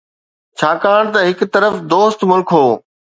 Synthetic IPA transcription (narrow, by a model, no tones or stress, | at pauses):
t͡ɕʰaːkaːɽ̃t̪ɐɦɪkt̪ɐɾəfd̪oːst̪mʊlkʰɦoː